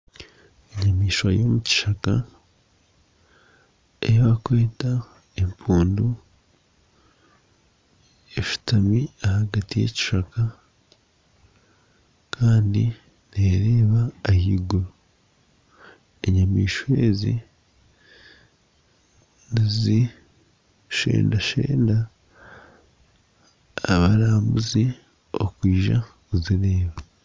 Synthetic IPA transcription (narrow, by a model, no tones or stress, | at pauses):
eɲamiːʃwajomuci̥ʃaka̰ | ejaβakweːta | empuːndu | eʃu̥tamiahaɡatije̞̰ci̥ʃaka | kʰaːndi | neɾeːβaːhiɡo | eɲamḭːʃe̞̰ːzḭ | nizi | ʃḛːndaʃḛːnda | βaɾaːmbuzi | o̰kwiːʒa̰kuziɾeːβa